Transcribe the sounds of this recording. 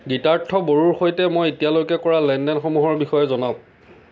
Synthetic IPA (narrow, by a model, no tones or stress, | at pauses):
ɡitaɹtʰːɔboɹuɹxojtɛmojetijalojkɛkɔɹalɛndɛnxomuɦɔɹbixɔjɔzɔnaʊ̃